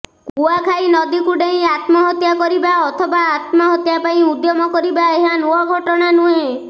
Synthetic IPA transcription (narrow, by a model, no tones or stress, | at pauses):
kuakʰajnɔd̪ikuɖeɦĩat̪mɔɦɔt̪jakɔɾibaɔt̪ʰɔbaːt̪mɔɦɔt̪japaĩud̪jɔmɔkɔɾibaeɦanuɔɡʱɔʈɔɽ̃anuẽ